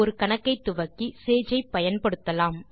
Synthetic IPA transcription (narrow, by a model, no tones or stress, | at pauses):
ɔɾɯkɐɳɐkːɐɪt̪ːʊʋɐkːiseːd͡ʒɐɪpːɐjɐnpɐɽɯt̪ːɐlaːm